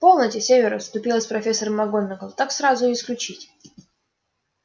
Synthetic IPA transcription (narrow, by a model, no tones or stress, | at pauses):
po̞lˠnətʲɪsʲevʲɪɾʊst̪ʊpʲilˠəsʲpɾɐfʲesːəɾəmːɐɡonʲːɪɡəlˠt̪aksɾazʊɪsklʲʉt͡ɕitʲ